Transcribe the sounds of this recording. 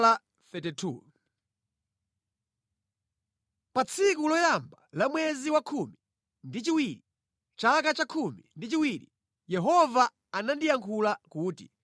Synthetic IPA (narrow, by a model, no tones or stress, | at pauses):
la | θɛtitʰṵ | pat͡sʰikulɔjambalamwɛziwakʰumi | ndit͡ʃiwiɾi | t͡ʃakat͡ʃakʰumḭndit͡ʃiwiɾḭ | jɛɦɔva | anandijaŋkʰulakuːtḭ